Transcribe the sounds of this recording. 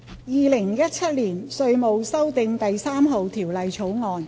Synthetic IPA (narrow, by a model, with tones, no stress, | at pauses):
jiː˨˧lɪ˨˩ŋjɐ˥t̚t͡sʰɐ˥t̚liː˨˩nsɵ˧ɥmo˨˧wsɐ˥wt̪ɪ˧ŋt̪ɐ˨jsaː˥mɦo˨wt̪ʰiː˨˩wlɐ˨jt͡ʃʰo˨˥wŋɔː˨˧n